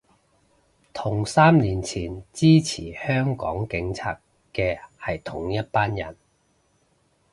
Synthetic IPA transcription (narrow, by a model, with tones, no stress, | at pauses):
t̪ʰʊ˨˩ŋsaː˥mliː˨˩nt͡sʰiː˨˩nt͡siː˥t͡sʰiː˨˩hœː˥ŋkɔ̰ː˨˥ŋkɪ˨˥ŋt͡sʰa̰ː˧t̚ | kɛː˧hɐ˨jt̪ʰʊ˨˩ŋjɐ˥t̚paː˥njɐ̰˨˩n